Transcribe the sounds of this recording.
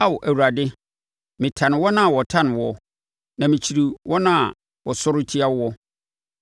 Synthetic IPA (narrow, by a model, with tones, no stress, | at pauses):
a˦wʊ˨ʔæ˨wu˨ɾa˨dɪ˦ | mɪ̃˨tʰã˨nɪ̃˨wɔ˦nã˦a˨wɔ˨tʰã˦nɪ̃˨wɔ˦ | nã˨mĩ˨t͡ɕʰi˨ɾi˨wʔɔ˦nã˦˨ | wɔ˨sʊ˦ɾʊ˦tʰi˦a˦wwɔ˦